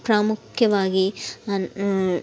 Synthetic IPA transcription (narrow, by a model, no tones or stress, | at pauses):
pɾaːmukʰjɐʋaːɡi